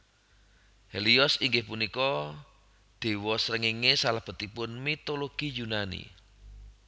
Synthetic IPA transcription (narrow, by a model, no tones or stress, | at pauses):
heliɔsiŋɡɪhpunikɔ | d̪̥e̤wɔsɾəŋiŋesalahb̥ə̤t̪ipʊnmit̪oloɡ̥ijunanḭ